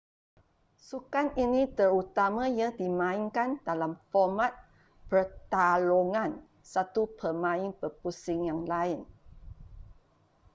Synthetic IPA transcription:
sukaninĩt̪əɾut̪amãjadimãiŋkandalamfɔmat̪̚ | pərt̪aloŋãn | sat̪upʰəmãɪŋpəpusɪŋjaŋlaɪn

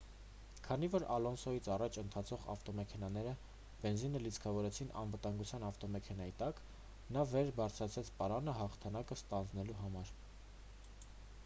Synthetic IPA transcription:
kʰɑnivɔɾɑlɔnsɔjit͡sʰɑrɑt͡ʃʰənt̪ʰɑt͡sʰɔʁɑ̰ft̪ɔmɛkʰɛnɑnɛɾə | b̥ɛnzinəlit͡sʰkʰɑvɔɾɛt͡sʰinʔɑ̰nvət̪ɑŋɡut͡sʰjɑnɑft̪ɔmɛkʰɛnɑjit̪ɑk | nɑvɛɾbɑɾt͡sʰɾɑt͡sʰɛt͡sʰpɑɾɑnəɦɑχt̪ʰɑnɑkəst̪ɑnd͡znɛluɦɑmɑɾ

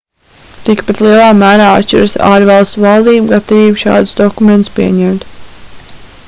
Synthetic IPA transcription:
t̪ikpɛt̪lˠiɛlˠɑːmæːɾaːa̰ʃt͡ʃɪ̰ɾasaːɾvɑlˠst̪uvɑlˠd̪iːbɡat̪aviːbʃɑ̰ːd̪̥sd̪ɔkument̪spiɛɲɛmt̪

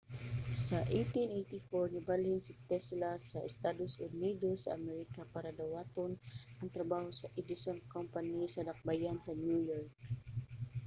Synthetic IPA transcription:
sɐʔejt̪inʔejt̪ifoɹnɪbalɪnsɪt̪ɛslasɐʔɛst̪ad̪osʔʊnid̪osːɐʔɐmɛɾɪkapaɾɐd̪ɐwat̪onʔɐŋt̪ɾɐbahosɐʔɪd̪ɪsonkɔmpɐnisɐnɐk̚bajansɐnjujɔɹk̚

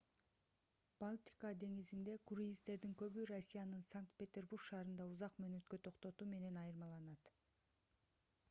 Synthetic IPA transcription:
b̥alʲˠt̪ʲi̥kɑd̪e̞ŋizind̪e̞kuɾʲjist̪e̞ɾd̪iŋkø̞βyrosʲːijanɯnsaŋk̚t̪̚pʲe̞t̪ʲe̞rburkʃɑːɾɯnd̪ɑuzɑqmøːnø̞t̪kø̞t̪ʰo̞qt̪o̞t̪uːme̞ne̞nɑjɯɾmɑlˠɑnɑt̪

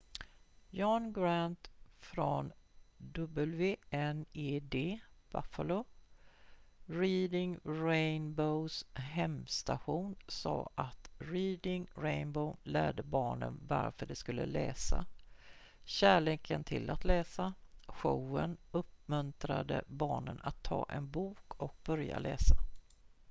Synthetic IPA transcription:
jɔnɡɾant̪fɾond̪ɵbəlveːɛneːd̪eːva̰fəlo | ɾiːd̪ɪŋɾɛjnbəʊsɦɛmst̪aɧuːnsɑ̰ːʔat̪ɾiːd̪ɪŋɾɛɪnbəʊlæːɖ̪əbɑːɳənvaɾfœɖɛskɵlːəlɛːsa | ɕæːɭeːkʰənt̪ʰɪlat̪lɛːsaɧowənɵp̚mɵnt̪ɾad̪əbɑːɳənat̪ʰːɑːʔɛnbuːkʰɔk̚bœɾja̰lɛːsa

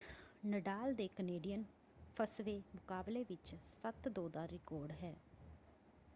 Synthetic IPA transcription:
nəɖaːld̪eːkəneːɖijən | pʰəsʋeːmʊkaːbleːʋɪt͡ʃsət̪d̪oːd̪aːɾɪkɔːɾɖɦɛː

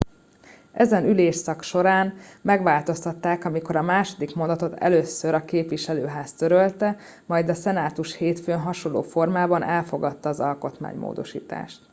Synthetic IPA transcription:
ɛzɛnyleːʃsɒkʃo̞ɾaːnmɛɡʋaːlt̪o̞st̪ɒt̪ːaːkɒmiko̞ɾɒmaːʃo̞d̪ikmo̞nd̪ɒt̪o̞t̪ɛ̰løːsːøɾɒkeːpʋiʃɛløːɦaːst̪øɾølt̪ɛ | mɒjd̪ɒsɛnaːt̪uʃheːt̪føːnɦɒʃo̞nlːo̰ːfo̞rmaːbɒnʔɛlfo̞ɡɒt̪ːɒːzɒlko̞t̪ma̰ːɲmo̰ːd̪o̞̰ʃḭːt̪a̰ːʃt̪

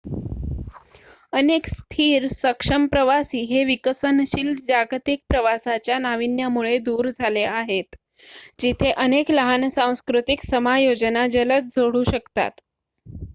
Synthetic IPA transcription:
ənekst̪ʰiːɾsəkʂəmpɾəʋasiːɦeʋikəsənɕild͡ʑaɡt̪ik̚pɾəʋasat͡ɕjanaʋinjamuɭed̪uːɾd͡zʱaleaɦet̪ | d͡ʑit̪ʰeʔənekləɦansãw̃skɾut̪iksəmajod͡ʑənad͡ʑələt͡sd͡zʱoɽ̤uːɕəkt̪a̰t̪

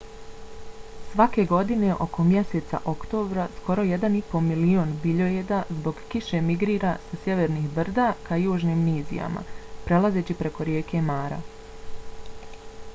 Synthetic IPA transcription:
sʋake̞ɡo̞d̪ine̞ʔo̞ko̞mje̞seːt̪sa̰ʔo̞kt̪o̞ːbɾasko̞ɾo̞jed̪anipo̞milioːnbiʎojed̪azbo̞ɡkiʃe̞miɡɾiːɾasasje̞ʋeːɾnixbr̩d̪aːkajuːʒniːmniːzḭja̰ma̰pɾe̞lˠaze̞t͡ɕipɾe̞ko̞ɾjeːke̞maːɾa̰

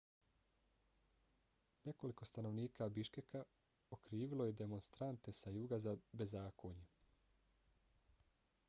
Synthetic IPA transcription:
ne̞ko̞liko̞st̪ano̞ʋniːkʰabiʃke̞ka | okɾiːʋilo̞jed̪e̞mo̞nst̪ɾant̪e̞sajuːɡazabe̞zaːkʰoːɲe

